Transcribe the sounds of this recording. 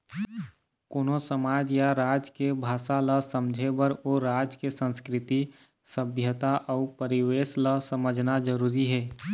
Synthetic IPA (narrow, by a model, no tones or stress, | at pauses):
koːnosəmaːd͡ʒjaɾaːd͡ʒkebʱaːʃaləsəmd͡ʒʱebəɾoɾaːd͡ʒkesə̃nskɾɪt̪i | səbʱjət̪aʔɔpəɾɪweːsləsəməd͡ʒʱnad͡ʒəɾuːɾiɦɛː